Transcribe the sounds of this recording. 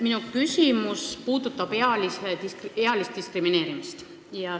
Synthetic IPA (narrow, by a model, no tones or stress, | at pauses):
minukysʲimuspuːd̪̥ut̪ːˑɑb̥e̞ɑliseike̞ɑlist̪̚d̪iskrimine̞ːɾimist̪ | jɑ